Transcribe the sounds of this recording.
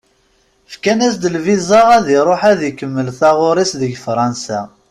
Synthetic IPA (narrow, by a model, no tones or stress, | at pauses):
fkænæsd̪əlvizaæðiɾˤoħæðəkəmːəlθɑʁʊɾˤisðəʝfɾˤɑnsæ